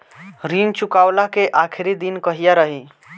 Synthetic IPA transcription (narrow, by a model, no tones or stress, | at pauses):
ɾint͡ʃukawlakeʔakʰiɾid̪inkəɦijaɾəɦi